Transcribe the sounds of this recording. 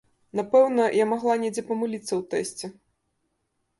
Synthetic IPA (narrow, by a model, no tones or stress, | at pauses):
napɛwnɐjamaɣlˠanʲɛd͡zʲɛpɐmɨlʲit̪sːɐwt̪ɛsʲt͡sʲɛ